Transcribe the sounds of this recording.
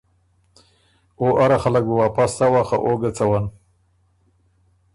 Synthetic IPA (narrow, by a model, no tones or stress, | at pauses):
oʔaɾaxalakuwapast̪awaxa̰ʔoɡat͡sawan